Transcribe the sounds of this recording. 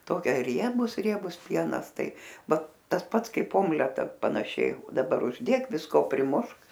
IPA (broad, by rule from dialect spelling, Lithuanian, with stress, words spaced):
ˈtoːkʲɛ ˈrʲiɛbʊs ˈrʲiɛbʊs ˈpʲiɛnɐs ˈtɐɪ ˈʋɐ ˈtɐs ˈpɐts ˈkɐɪp ˈoːmʲlʲɛtɐ pɐnɐˈʃʲɛɪ dɐˈbɐr ʊʒʲˈdʲeːk ʋʲɪsˈkoː pʲrʲɪˈmʊʃk